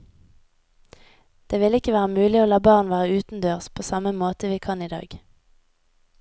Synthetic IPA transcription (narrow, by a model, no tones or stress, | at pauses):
d̪̥eːʋɪlɪkəʋæːʁəmʉːlɪoːlɑːbɑːʁnʋæːʁəʉːt̪n̩d̪øːʁspʰoːsɑməmoːt̪əʋiːkʰɑniːd̪ɑ̰ːɡ